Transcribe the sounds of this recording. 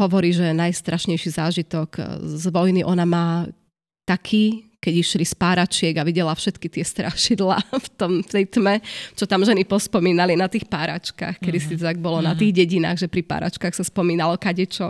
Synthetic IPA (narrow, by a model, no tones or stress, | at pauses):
ɦɔʋɔɾiːʒɛnajst̪ɾaʃɲɛjʃizaːʒit̪ɔkzʋɔjniʔɔnamaː | t̪akʰiːkɛɟiʃlispaːɾat͡ʃɪɛɡaʋiɟɛlafʃɛt̪kit̪ɪɛst̪ɾʔaʃid̪laːft̪ɔmft̪ɛjt̪mɛt͡ʃɔt̪amʒɛnipɔspɔmiːnalinat̪iːxpaːɾa̰t͡ʃka̰xkɛd̪isizaɡ̚bɔlɔnat̪iːɣɟɛɟina̰ːɣʒɛpɾipa̰ːɾa̰t͡ʃkaːxsaspɔmiːnalɔkaɟɛt͡ʃɔ